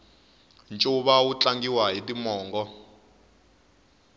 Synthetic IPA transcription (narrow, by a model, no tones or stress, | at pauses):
nt͡ʃʼuɓaut͡ɬaŋɡiwaɦitimɔːŋɡɔ